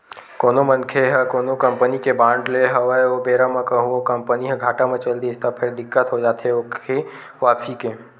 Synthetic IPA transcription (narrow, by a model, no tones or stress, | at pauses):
koːnomə̃nkʰeɦəkoːnokɐ̃mpənikebãːɳɖleɦəʋəobeːɾamãkɐɦũokɐmpəniɦɛ̃ɡʱaːʈamẽt͡ʃəld̪iɪst̪apʰɪɾd̪ɪkːət̪ɦod͡ʒaːt̪ɦɛoke | ʋaːfʰike